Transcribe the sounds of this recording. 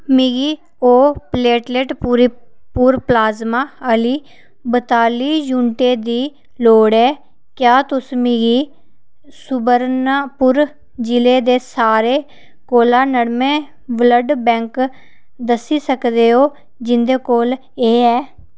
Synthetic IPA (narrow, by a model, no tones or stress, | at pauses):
miɡiː | oːpleːʈleːʈːɾpuːɾplaːzmaːəliː | bət̪aːliːd͡ʒuːɳʈeːd̪iː | loːɽɛː | kjaːt̪ʊsmiɡiː | sʊbəɾnapʊɾ | d͡ʒɪleːd̪eːsaːɾeː | koːlaːnəɽmẽː | ʋləɖbɛ̃ːŋk | d̪əsːiːsəkd̪eːɦoː | d͡ʒɪnd̪eːkoːl | eːɛː